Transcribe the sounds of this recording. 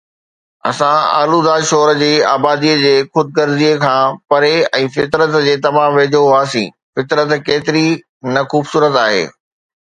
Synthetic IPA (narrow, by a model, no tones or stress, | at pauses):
ɐ̰sãa̰ːlud̪aːʃoːɾd͡ʑeːaːbaːd̪iːəd͡ʑeːxʊd̪̚kɐɾziekʰãːpɐɾeɛ̃ːfɪt̪ɾət̪d͡ʑeːt̪ɐm̤ãʋeːd͡ʑoɦʊaːsĩː | fɪt̪ɾət̪keːt̪ɪɾi | nɐxuːbsuːɾət̪aːɦḛː